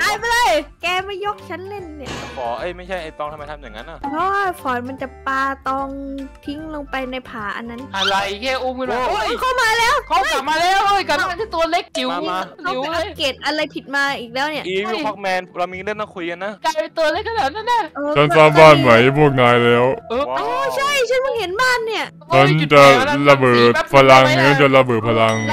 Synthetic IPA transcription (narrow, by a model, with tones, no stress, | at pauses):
aː˧jpa˧la˧˩jkɛː˧ma˥˩jːo˦˥k̚t͡ɕʰa˦˥nle˥˩nːi˥˩ɐ˩pʰɔː˨˦ʔaː˧˥˩jma˥˩jt͡ɕʰa˥˩jʔa˧˩jt̪ɔː˧˩ŋt̪ʰa˧ma˧jt̪ʰa˧mja˨˩ŋːa̰˦˥nʔa˧˩kʰɔː˦˥a˥˧˩pʰɔː˨˩˦nma˧nt͡ɕa˨˩paː˧t̪ɔː˧ŋt̪ʰi˦˥ŋloː˧ŋpa˧jna˧jpʰaː˩˦ʔa̰˧nːa˦˥nʔa˧ɾa˧jkʰɛː˥˩ʔu˧˥mkɯ˧no˧˥˩kʰa˥˩wmaː˧lɛː˦˥wkʰka˨˩maː˧lɛː˦˥˩wʔəː˧˩jka˨˩a˧˩t̪ʰaː˥˩t̪u˧ɐleː˦˥˩k̚ːi˨˩˦wa˧i˨˩˧la˧˩˥keː˨˩t̪̚ʔa˧ɾa˧jpʰi˨˩t̪̚maː˧ʔiː˨˩k̚lɛː˦˥wni˥˩˨ʔi˧˩a˦˩k̚mɛː˧nɾa˧wmi˧˥lɯ˥˩naː˧˥˩kʰu˧ka˧nːa˦˥kaː˧˩pa˧t̪ɤː˧le˧˥˩kʰa˧˩na˨˩t̪̚na˥˩na˧˥˩ʔːt͡ɕʰa˦˥˩nsaː˥˩mbaː˥˩nma˨˦jpʰu˥˩ət̪̚ŋaː˧jlɛː˦˥wːɔ˧t͡ɕʰa˥˩jt͡ɕʰa˦˥˩nmɯ˧˩he˩˦nbaː˥˩nːi˥˩ɐ | t͡ɕʰa˦˥nt͡ɕa˨˩˥la˧bɤː˨˩t̪̚pʰa˧la˧ŋt͡ɕʰa˦˥nt͡ɕa˨˩la˧bɤː˨˩t̪̚pʰa˧la˧ŋ